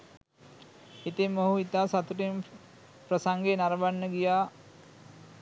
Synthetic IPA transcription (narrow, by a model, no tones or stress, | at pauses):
it̪emːoɦuit̪aːsat̪uʈem | pɾəsaŋɡenaɾəʋanːəɡijaː